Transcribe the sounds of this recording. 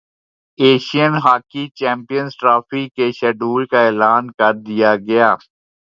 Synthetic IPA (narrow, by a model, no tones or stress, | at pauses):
eːʃijənɦaːkit͡ʃɛ̃ːmpijənzʈɾaːfikeʃɛːɖuːlkaeːlaːnkɐɾd̪ɪjaɡɐjaː